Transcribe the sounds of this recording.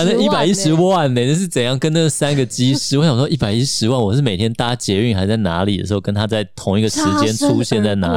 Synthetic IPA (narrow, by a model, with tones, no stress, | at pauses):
nə˥˧˩i˥˩pa˨˩ɪi˦˥ʂɻ̩˧˥wwa˥˩nːe˧˨˩nə˥˧ʂɻ̩˥˩t͡sə˨˩njɑ˥˩ŋkə˥na˥˩ɡə˩sa˥nɡə˨t͡ɕi˥ʂɻ̩˥˩wɔ˦ɕɑ˨˩ŋʂwɔ˥i˥˩pa˨˩ɪi˦˥ʂɻ̩˧˥wa˥˩nwɔ˨˩ʂɻ̩˥˩me˨˩ɪt̪ʰjɛ˥nt̪a˥t͡ɕjɛ˧˥y˥˩nxa˧ɪ˧˥t͡sa˥˩na˧˥li˨˩ə̰˨˩ʂɻ̩˧˥xʊkə˥nt̪ʰa˥t͡sa˥˩ɪt̪ʰʊ˧˥ŋi˥ɡə˨˩ʂɻ̩˧˥t͡ɕjɛ˥˦nʈ͡ʂʰu˥ɕjɛ˥˧nt͡sa˥˩ɪna̰˧˥